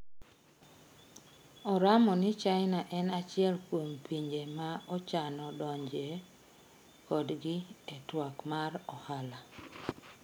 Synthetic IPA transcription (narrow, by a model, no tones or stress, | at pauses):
ɔɾamɔnɪt͡ʃaɪnaʔɛnat͡ʃɪɛlkwompiɲd͡ʒemaɔt͡ʃanɔdɔɲd͡ʒe | kɔdɡɪetwakmarɔhala